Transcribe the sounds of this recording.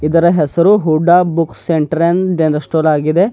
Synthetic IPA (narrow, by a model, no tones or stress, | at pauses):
id̪ɐɾɐɦɛsɐɾuɦuɖːaːbukseɳʈɐɾenɖenɐɾsʈoːlaːɡid̪e̞